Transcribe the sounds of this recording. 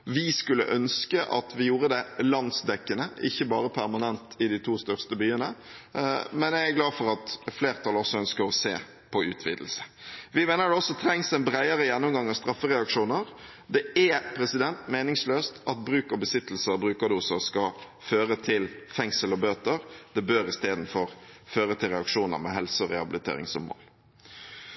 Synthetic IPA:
ʋɪskʉlːə̰ʔœnskəʔɑ̰t̪ʰʋɪjuːɾəd̪ɛlɑnsd̪ɛkːənəʔɪ̰çːəbɑːɾəpʰæʁmɑnɛnt̪ʰɪd̪ɪt̪ʰuːst̪œʁst̪əbyːənə | mɛnjæɪæɡlɑːd̪fɔɾɑt̪fleːʁt̪ʰɑlɔsːɔœnskəɾɔsḛː | pʰɔʉ̰ːt̪ʰʋḭːd̪əl̩sə̥ʋɪmeːnəd̪ɛɔsːɔt̪ʰɾɛŋsɛnbɾæɪəɾəjɛnːʊmɡɑŋːɑʋst̪ɾɑfːəɾɛɑkʂuːnəɾ | d̪ɛɛpʰɾɛsɪd̪ɛnt̪meːnɪŋsløːst̪ɑt̪̚bɾʉːkɔbəsɪt̪ːl̩səɔbɾʉːkɑd̪uːsəɾskɑ | føːɾət̪ʰɪlfɛŋsəlɔbøːt̪əɾd̪̥ɛbøːɾɪst̪eːd̪n̩fɔɾføːɾət̪ʰɪlɾɛɑkʂuːnə̰ɾmɛ̰ɦɛlsəɔɾɛhɑbɪlɪt̪ʰḛːɾɪ̰ŋsɔ̰mːo̰ːl

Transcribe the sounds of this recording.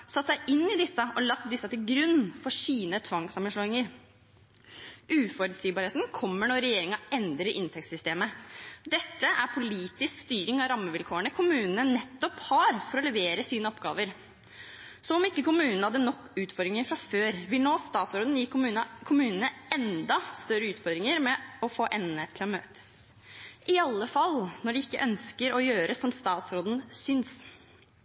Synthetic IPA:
sɑt̪ːsæɪʔɪnːɪd̪ɪsːəʔɔlɑkt̪̚d̪ɪsːɑt̪ɪlɡɾʉnːfɔʂiːnət̪ʰʋɑŋsɑmənʂɭɔːɪŋəɾ | ʔʉːfɔɾʉd̪siːbɑːɾheːt̪nkʰɔmːəɳɔɾɛjeːɾɪŋɑɛnd̪ɾəʔɪnt̪ʰɛk̚t̪sʏst̪eːməd̪ɛt̪ːəʔæɾpʰʊliːt̪ɪskst̪yːɾɪŋɑʋɾɑmːəʋɪlkʰoːəɳəkʰʊmʉːnənənɛt̪ːɔphɑːɾfɔɾɔlɛʋeːɾəsiːnəɔpɡɑ̰ːʋəɾ | sɔɔmɪkːəkʊmʉːnn̩ɑd̪ənɔkːʉːt̪fɔɾd̪ɾɪŋəɾfɾɑføːɾʋɪlnoːst̪ɑːt̪sɾoːd̪n̩ɪkmʉːnkʰʊmʉːnənəɛnd̪ɑst̪œɾəʉːt̪fɔɾd̪ɾɪŋəɾmɛɔfoːʔɛnːət̪ʰɪlɔmøːt̪ʰə̥s | ʔɪɑlːəfɑlnɔɖɪɪkːəʔœnskəɾɔjøːɾəsɔmst̪ɑːt̪sɾoːd̪ənsʏns

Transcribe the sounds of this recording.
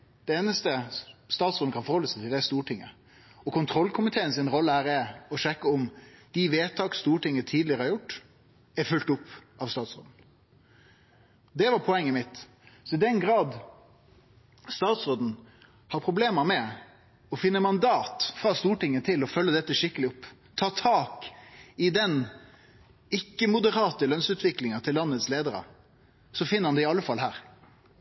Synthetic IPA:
d̪̥ɛeːnəst̪əst̪ɑːt̪sɾoːd̪n̩kɑnfɔɾhɔlːəsæt̪ʰɪld̪ɛst̪uːʈɪŋːə̰ | ɔkʰʊnt̪ʰɾɔlkʰʊmɪt̪ʰeːənsɪnɾɔlːəhæːɾɛɾɔʂɛkːəɔmd̪̥iʋeːt̪ʰɑːkst̪uːʈɪŋːət̪ʰiːd̪lɪəɾəhɑɾjʊʈː | æɾfʉlt̪ʊpːɑʋst̪ɑːt̪sɾo̰ːd̪n̩ | d̪ɛʋɑɾpʰɔɛŋːəmɪt̪ | sɔɪd̪ɛnɡɾɑːd̪ | st̪ɑːt̪sʁoːd̪n̩ | hɑɾpʰʁʊbleːməɾmɛ | ɔfɪnːəmɑnd̪ɑːt̪fʁɑst̪uːʈɪŋːət̪ʰɪlɔfœlːəd̪ɛt̪ːəʂɪkːəlɪʊpː | t̪ʰɑːt̪ʰɑːkɪd̪ɛn | ɪkːəmʊd̪əɾɑːt̪əlœnsʉːt̪ʰʋɪklɪŋənt̪ʰɪlːɑnːət̪sleːd̪əɾə̰ | sɔfɪnəɾɑnd̪ɪɪɑlːəfɑlɦæ̰ːɾ

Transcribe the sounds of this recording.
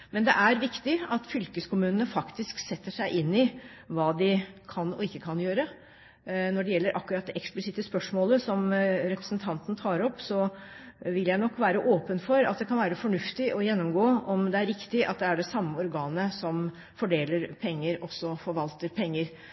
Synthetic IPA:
mɛnd̪ɛ̰ʔæɾʋɪkt̪ɪɑt̪fʏlkəskʰʊmʉːnənəfɑkt̪ɪsksɛt̪ːəʂæɪʔɪnːɪ | ʋɑːd̪ɪkʰɑnɔɪkːəkʰɑnjøːɾə | nɔɖɛjɛlːəɾʔɑkːʉɾɑt̪̚d̪ɛʔɛksplɪsɪt̪əspœʂmoːləsɔmɾɛpɾə̥snt̪ʰɑnt̪n̩t̪ʰɑːɾɔpːsɔ | ʋɪljæɪnɔkːʋæːɾəʔoːpənfɔɾɑt̪̚d̪ɛkʰɑnʋæːɾəfɔɳʉft̪ɪʔɔjɛnːɔmɡoːɔmd̪ɛæɾːɪkt̪ɪʔɑ̰t̪̚d̪ɛæɖɛsɑmːəɔɾɡɑːnəsɔm | fɔɖeːləɾpʰɛŋːəɾɔsɔfɔɾʋɑlt̪əɾpʰɛŋːəɾ

